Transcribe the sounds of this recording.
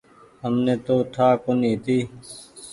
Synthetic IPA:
ɦəmneːt̪oːt̪ʰaːkonĩːt̪iː

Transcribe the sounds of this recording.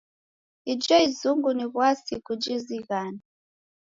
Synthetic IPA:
id͡ʒɔizuŋɡuniβwasikud͡ʒiziɣaːna

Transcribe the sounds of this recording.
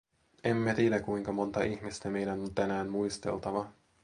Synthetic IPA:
e̞mːet̪iːdækuiŋkɑmo̞nt̪ɑʔiçmist̪æme̞jdænont̪ænæːmmuijst̪e̞̰lt̪ɑʋɑ

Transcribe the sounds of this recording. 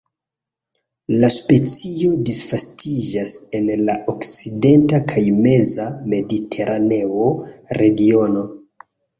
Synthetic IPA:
laspe̞t͡sio̞disfastʰid͡ʒase̞nlaʔokt͡side̞ntakʰajme̞zame̞ditʰe̞ɾʔane̞oɾe̞ɡio̞no̞

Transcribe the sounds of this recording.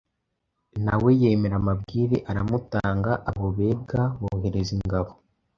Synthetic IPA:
nawe̞jeːme̞ɾamab̚ɡiːɾeʔaɾamutaːŋɡaʔaβoβe̞ːbɡaβoːhe̞ɾeziŋɡaβo

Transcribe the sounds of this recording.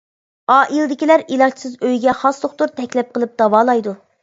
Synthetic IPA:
ɑːʔilˠd̪ɪkʲilæɾilˠɑt͡ʃsɨzøjɡʲɛχɑslˠoχt̪uɾt̪ʰɛkʲlɛp̚qʰəlˠɨp̚d̪̥ɑwɑːlˠɑjd̪u

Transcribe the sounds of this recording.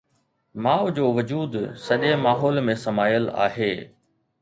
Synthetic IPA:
maːʋd͡ʑoːʋʊd͡ʑuːd̪sɐʄemaːɦɔːlmẽsɐmaːjəla̰ːɦeː

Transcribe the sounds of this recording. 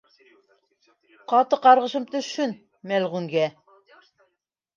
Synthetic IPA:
qɑt̪ɤqɑɾʁɤ̆ʃɤmt̪ɵ̆ʃɵn | mælʁuŋɡæ

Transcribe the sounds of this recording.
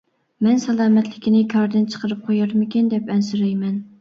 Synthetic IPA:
mɛnsɛlˠɑːmɛt̪lɪkʲinɪkʲʰɑɾd̪ɨnt͡ʃʰə̥qəɾɨp̚qʰojɑɾmɪkʲɪnd̪ɛpɛnsyɾɛjmɛn

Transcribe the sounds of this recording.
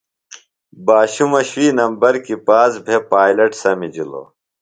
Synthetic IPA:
baːɕumɐɕwiːnɐmbɐɾkipaːsbʱepaːjlɐʈsɐmid͡ʑilo̰

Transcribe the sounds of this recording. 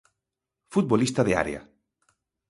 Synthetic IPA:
fut̪̚bolist̪aðea̰ɾḛa̰

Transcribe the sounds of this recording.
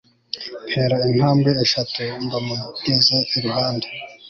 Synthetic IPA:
nheːɾain̥haːmbɡeːʃatumbamukizaiɾuhaːndḁ

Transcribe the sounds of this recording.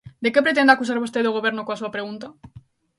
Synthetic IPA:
d̪e̞kepɾe̞t̪e̞nd̪akus̬aɾβust̪eðoɣ̞o̞βjenokoasuapɾeɣ̞unt̪a

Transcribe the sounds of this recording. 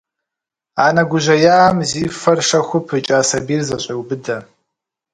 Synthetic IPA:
aːnɐɡʷʊʑɐjaːmziːfɐrʂɐxʷʊpʰɨt͡ʃʼaːsɐbiːrzɐɕʼɐwbɨdɐ

